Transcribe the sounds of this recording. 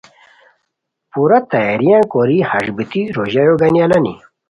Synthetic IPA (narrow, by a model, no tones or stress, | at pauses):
puɾɐt̪ɐjaɾijãkoɾihɐʐbit̪iɾoːʑɐjoɡɐnjalɐnḭ